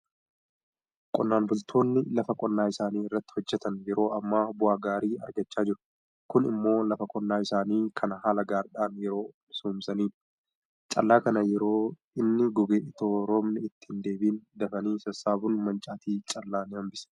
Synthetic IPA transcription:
kʼɔnːaːnbʊlt̪ʰo̞ːnːɪlɐfɐkʼɔnːaːɪsaːniːɪrːɐt̪ːɪ̥hɔd͡ʒːɛt̪ɐnjɛɾo̞ːɐmːaːbʊaːɡaːɾiːɐ̰ɾɡɐt͡ʃːaːd͡ʒɪɾʊ̥ | kʊnɪ̰mːo̞ːlɐfɐkʼɔnːaːɪsaːniːkʰɐnɐhaːlɐɡaːɾɗaːnjɛɾo̞ː | sumsɐniːᶑʊ̥ | t͡ʃʼɐ̰lːaːkɐnɐjɛɾo̞ː | ɪnːɪɡɔɡeːʔɪt̪oːɾoːmnɪɪt̪ːɪ̥hɪnd̪e̞ːbiːnd̪ɐfɐniːsɐsaːbʊnmɐnt͡ʃʼaːt̪iːt͡ʃʼɐlːaːnɪhɐmbɪs

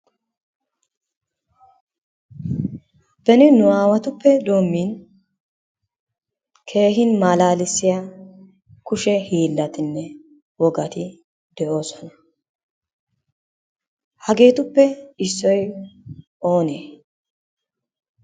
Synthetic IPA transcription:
bɛnɪnʊaːwɐt̪ʊpːɛd̪o̞ːmːiːn | kʰe̞ːhɪnmaːlaːlɪsːɪja | kʊʃɛhiːlːɐt̪ɪnːɛ | wɔɡɐt̪ɪ | d̪ɛʔo̞ːsɔnɐ̥ | hɐɡe̞ːt̪ʊpːɛɪsːɔj | o̞ːneː

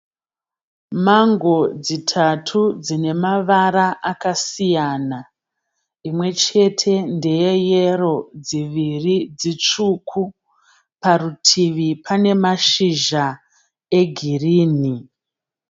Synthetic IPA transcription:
maŋɡo̞d͡zitʰatʰud͡zine̞maʋaɾaʔakasijaːna | imwe̞t͡ʃe̞tʰe̞nde̞je̞jero̞d͡ziʋirid͡zit͡ʂukʰu | parutʰiʋipʰane̞maʃiʒa | e̞ɡʱiriːni

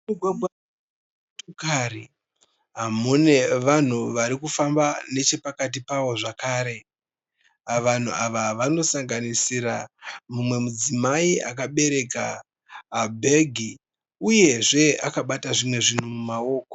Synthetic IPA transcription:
muɡʱwaɡʱwa | tokaɾi | ɦamune̞ʋan̤uʋaɾikufambane̞t͡ʃe̞pakat̬ipaʋo̞ʐakaːɾe̞ | aʋan̤uaʋaʋano̞saŋɡanisiɾamumwe̞mud͡zimaia̰kaɓe̞ɾe̞kaː | bʱe̞ɡʱi | uje̞ʐe̞akaɓataʐimwe̞ʐin̤umumao̞ːko

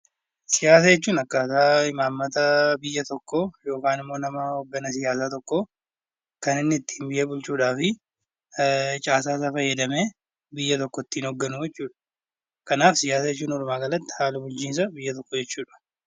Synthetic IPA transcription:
sɪjaːs̬ɐjɛt͡ʃːuːnɐkːaːsaːɪmaːmːɐt̪ɐbɪjːɐt̪ɔkːojo̞ːkaːnɪmːo̞ːnɐmɐhɔɡːɐnɐs̬ɪjaːs̬aːt̪ɔkːo | kɐnɪnːɪt̪ːɪ̥hnbɪʔeːbʊlt͡ʃuːᶑaːfɪ | t͡ʃʼaːsaːs̬aːfɐjːɛd̪ɐmeː | bɪjːɐt̪ɔkːɔt̪ːiːnhɔɡːɐnujɛt͡ʃːuːᶑɐ̥ | kɐnaːfsɪjaːsɐjɛt͡ʃːuːnɔɾʊmaːɡɐlɐt̪ːɪ̥haːlɐbʊlt͡ʃiːns̬ɐbɪjːɐt̪ɔkːɔd͡ʒɛt͡ʃːuːᶑɐ̥

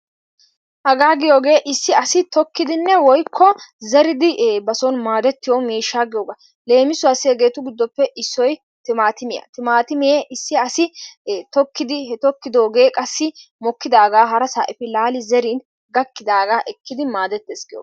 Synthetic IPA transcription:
hɐɡaːɡɪjo̞ːɡe̞ːʔɪsːɪɐsɪt̪ɔkːɪd̪ɪnːɛwɔjkʰːɔzɛɾɪd̪ɪbɐsɔnmaːd̪ɛt̪ːɪjɔmiːʃːaːɡɪjoːɡɐ | le̞ːmɪsʊɐsɪɛɡe̞ːt̪ʊɡɪd̪ːɔpːɛʔɪsːɔj | t̪ɪmaːt̪ɪmɪjɐ̰t̪ɪmaːt̪ɪmɪjeʔɪsːɪɐsɪt̪ɔkːɪd̪ɪhɛt̪ɔkːɪd̪o̞ːɡe̞ːkʼɐsːɪmɔkːɪd̪aːɡaːɦɐɾɐsa̰ːʔɪfɪlaːlɪzɛɾiːn | ɡɐkːɪd̪aːɡaːʔɛkːɪd̪ɪmaːd̪ɛt̪ːeːsɡɪjo̰ː

